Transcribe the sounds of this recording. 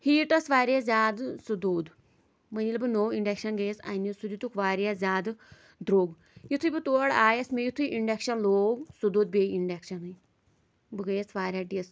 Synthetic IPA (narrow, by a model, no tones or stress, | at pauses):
hiːʈɐsʋaːɾʲjazʲaːd̪sud̪oːd̪ | mənilbɨnoːiɳɖekʃɐnɡesa̰nisud̪it̪ukʋaːɾʲjazʲaːd̪ | d̪ɾoːɡ | jit̪ʰujbɨt̪uɽaːjɐsmejit̪ʰujʔiɳɖekʃɐnloːɡsud̪oːd̪bʲeiɳɖekʃɐnɨj | bɨɡəjsʋaːɾʲjaːʈiɐs